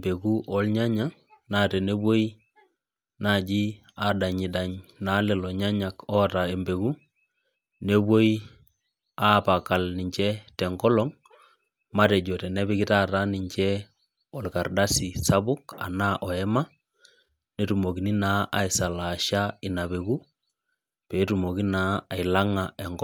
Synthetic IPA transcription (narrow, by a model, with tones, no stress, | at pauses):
mbe˨ku˦ʔɔ˦lɲa˦ɲa˦ | na˦tɛ˨ne˦bwo˦i˦ | na˦˨d͡ʒi˦ | a˦da˨ɲi˨da˨ɲna˨˦lɛ˨lɔ˨ɲa˦ɲa˨kɔ˦ta˨e˨mbe˨ku˦ | ne˦bwo˦i˦ | a˦pa˨ka˨lni˨ɲt͡ʃɛ˦tɛ˨ŋɡɔ˦lɔ˦ŋ | ma˦ɾɛ˨d͡ʒɔ˨tɛ˨nɛ˦bɪ˦kɪ˦ta˦ta˦ni˨ɲt͡ʃɛ˦ | ɔ˨lka˨rda˦si˨sa˦bʊ˦ka̰˨na˦ʔɔ˨ɛ˦ma˦ | nɛ˦tu˨mo˨ki˨ni˦na˨˦ʔa˨i˨sa˨la˨ʃa˦ɪ˨na˨be˨ku˦ | pɛː˨˦tu˨mo˨ki˦naː˦˨ɪ˨la˦ŋa˨ɛ˨ŋɡ